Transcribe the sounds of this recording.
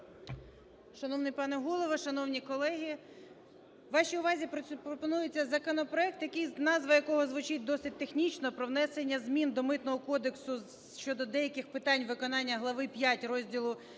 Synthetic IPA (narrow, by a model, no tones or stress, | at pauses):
ʃɐnɔwnɪjpɑnɛɦulˠɔʋɐʃɐnɔwnʲikɔlˠɛɦʲi | ʋɑʃʲiʊʋɑzʲipɾɔpɔnujet͡sʲːɐzɐkɔnɔpɾɔɛk̚t̪jɐkɪjznɑzʋɐjɐkɔɦɔzʋʊt͡ʃɪt̚ʲd̪ɔsɪt̚ʲt̪exnʲit͡ʃnɔpɾɔwnɛsenʲːɐzmʲind̪ɔmɪt̪nɔɦɔkɔd̪eksʊ | ʃt͡ʃɔd̪ɔd̪ɛjɐkʲɪxpɪt̪ɑnʲʋɪkɔnɑnʲːɐɦlˠɐʋɪpʲjatʲrɔzʲdʲilˠʊ